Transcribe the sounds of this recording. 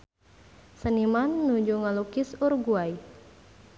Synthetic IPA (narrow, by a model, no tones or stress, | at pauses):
sənimanːud͡ʒuŋalukisurɡuaj